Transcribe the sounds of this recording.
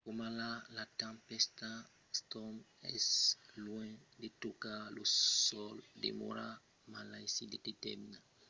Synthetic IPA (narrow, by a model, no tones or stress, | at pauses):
komalalat̪ãmpɛst̪a | st̪ɔm | ɛ̰slwɛ̃d̪et̪okalosɔld̪ḛmo̰ɾa | malaj̃sid̪ed̪et̪ɛ̰mina